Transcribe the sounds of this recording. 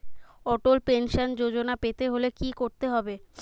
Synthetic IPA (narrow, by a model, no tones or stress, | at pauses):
ɔʈolpenʃand͡ʑod͡ʑonapet̪eɦolekikoɾt̪eɦɔbe